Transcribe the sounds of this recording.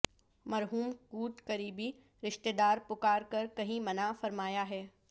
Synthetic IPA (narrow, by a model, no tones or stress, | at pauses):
mɐɾɦuːmkuːt̪kɐɾiːbi | ɾɪʃt̪ed̪aːɾpʊkaːɾkɐɾkɐɦĩmɐnafɐɾmaːjaɦɛː